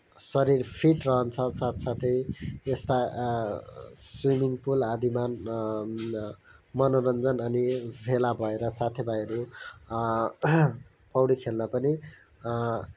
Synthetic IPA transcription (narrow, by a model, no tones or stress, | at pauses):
sʌɾirpʰiʈrʌɦʌnt͡sʰʌsat̪sat̪ʰʌjest̪a | swimiŋpulad̪iman | mʌnoɾʌnd͡zʌnʌnibʱelabʱʌeɾʌsat̪ʰebʱajʌɾu | pʌwɽikʰelnapʌni